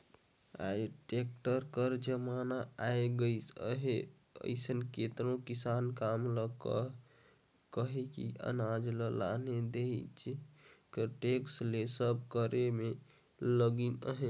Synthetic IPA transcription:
a̰jʈek̚ʈəɾkəɾd͡ʒəmanaaeɡəjsə̰ɦe | ə̰ɪsənket̪ɾõkisankamləkə | kəɦekḭə̰nad͡ʒləla̰ned̪eɦt͡ʃʰikəʈekslesəbkəɾeme | ləɡinə̰ɦe

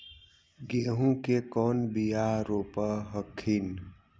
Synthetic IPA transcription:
ɡeːɦũkekɔːnbijaɾoːpəɦəkʰin

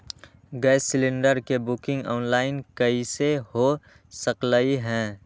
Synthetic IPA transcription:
ɡəjsɪlɪ̃ɳɖəɾkebʊkɪ̃ŋɡɔːnlaːɪnkɐiseho | səklaiɦɛ̃ː

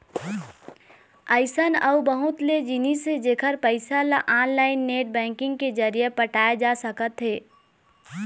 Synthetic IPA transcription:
əɪsənəwbəɦʊt̪led͡ʒɪnised͡ʒeːkʰəɾpəɪsalaʔaːnlaːɪnːeːʈ̚bɛ̃ːŋkɪ̃ŋɡked͡ʒəɾijepəʈaːed͡ʒasəkət̪ɦeː

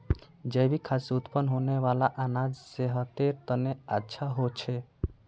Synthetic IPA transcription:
d͡ʒəjbikʰasut̪pənɦoneʋalaʔanad͡ʒseɦət̪eɾt̪əneatːʃʰaɦot͡ʃʰe

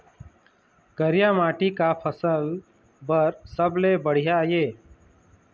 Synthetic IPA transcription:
kəɾɪjaːmaːʈikaːpʰəsəl | bəɾsəbleːbəɽ̤ijajeː

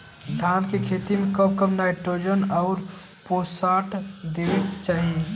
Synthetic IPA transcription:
d̪ʱankekʰet̪imekəbkəbnaɪʈɾod͡ʒənɔʊɾ | posaʈd̪eʋekt͡ʃaːɦi

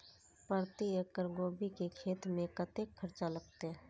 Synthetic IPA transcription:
pəɾt̪ijəkəɾɡoːbikekʰeːt̪mẽkət̪ekʰːəɾt͡ʃaləɡ̚t̪eɦ

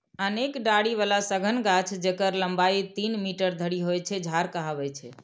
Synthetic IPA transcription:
ənekɖaɽiʋalasəɡʱənɡat͡ʃʰd͡ʒekəɾləmbait̪inmiʈəɾd̪ʱəɽiɦojt͡ʃʰɛd͡ʒʱaɾkəɦaʋɛt͡ʃʰɛ

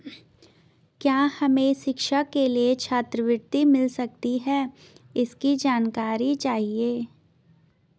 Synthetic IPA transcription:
kjaːhɐmẽʃɪkʃəkːeliet͡ʃʰaːt̪ɾəʋɪɾt̪imɪlsɐk̚t̪iɦɛː | ɪskid͡ʒaːnkaːɾit͡ʃaːɦieː

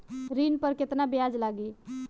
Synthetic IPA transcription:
ɾinpəɾket̪nabijad͡ʒlaɡi

